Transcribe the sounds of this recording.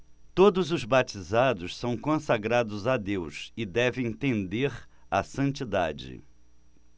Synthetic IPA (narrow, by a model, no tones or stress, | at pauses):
t̪od̪ʊzʊzbat͡ʃizad̪ʊssɐ̃w̃kõsaɡɾad̪ʊzad̪ewsɪd̪ɛvẽj̃t̪ẽnd̪eɾ | asɐ̃nt͡ʃid̪a̰d͡ʒɪ̰